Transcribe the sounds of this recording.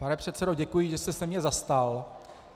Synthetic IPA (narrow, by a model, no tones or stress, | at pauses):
panɛpr̝̥ɛt̪t͡sɛdoɟɛkujiʒɛsɛsɛmɲɛzast̪al